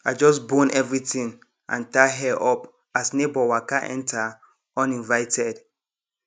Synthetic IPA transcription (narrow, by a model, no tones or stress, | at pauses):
aɪd͡ʒɔs̬bõnʔɛvɹitĩŋ | ʔã̰ntaɦɛʔɔp | asnebɔwakaʔɛ̰̃ntʰa | ɔ̃nĩnvaɪtʰɛd